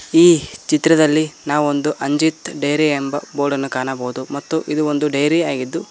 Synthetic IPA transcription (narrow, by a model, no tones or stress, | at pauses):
iːt͡ʃit̪ːɾɐd̪ɐlːinaːʋuond̪uʔɐɲd͡ʒit̪ɖɐjɾiembɐboːɖɐnːukaːnɐbɐːud̪umɐt̪ːuʔid̪uond̪uɖɐjɾiaːɡid̪ːu